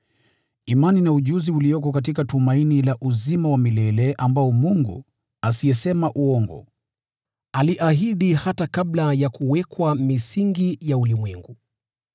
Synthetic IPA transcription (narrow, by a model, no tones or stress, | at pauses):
imaninauʄuziuliɔkɔkat̬ikatumainilaʔuzimawamilɛlɛʔambaɔmuŋɡṵ | asiɛsɛmaʔuɔŋɡɔ̰ | aliʔaɦiɗihatakablajakuwɛkwamisiŋɡijaulimwɛŋɡu